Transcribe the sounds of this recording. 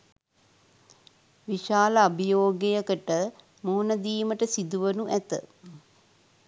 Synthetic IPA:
ʋiʃaːləabijoːɡejəkəʈə | moːnɐd̪iːməʈəsid̪uʋənuʔæt̪ə̰

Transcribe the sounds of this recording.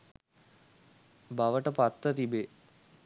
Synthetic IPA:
baʋəʈəpat̪ːət̪ibe

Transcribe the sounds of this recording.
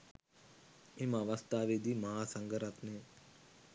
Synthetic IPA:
emãʋɐst̪aːʋeːd̪iːmɐɦaːsəŋɡəɾɐt̪ne

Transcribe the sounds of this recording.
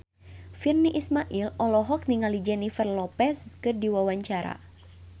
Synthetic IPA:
firniʔismaʔilɔlɔɦɔk̚niŋalid͡ʒɛnifɛrlɔpɛskɨrdiwawaɲt͡ʃaɾa̰

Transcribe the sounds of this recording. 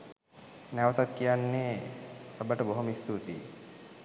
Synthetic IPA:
næʋət̪at̪kijanːesəbəʈəboɦomist̪ut̪ḭ

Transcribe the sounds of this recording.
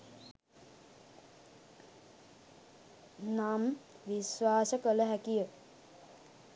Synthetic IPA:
namʋisʋaːsəkələɦækijə

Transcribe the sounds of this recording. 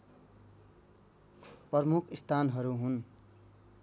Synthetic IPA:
prʌrmukʰist̪ʰanɦʌɾuɦun

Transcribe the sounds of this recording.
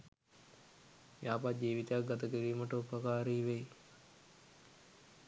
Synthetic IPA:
jaːpat̪̚d͡ʒiːʋit̪əjak̚ɡat̪əkiɾiːməʈəupəkaːɾiːʋej

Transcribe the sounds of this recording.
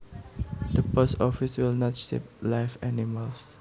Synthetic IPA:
dəposɔfiswilnɔtʃḛp̚laɪfɛniməls

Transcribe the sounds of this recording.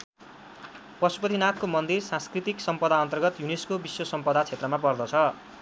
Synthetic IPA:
pʌsu̥pʌt̪ʰinat̪komʌnd̪irsãnskrit̪iksʌmpʌd̪aʌnt̪ʌrɡʌt̪juneskobiswʌsʌmpʌd̪at͡sʰet̪rʌmapʌrd̪ʌt͡sʰʌ

